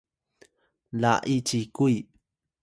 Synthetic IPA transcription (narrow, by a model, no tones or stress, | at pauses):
la̰ʔit͡ʃikuj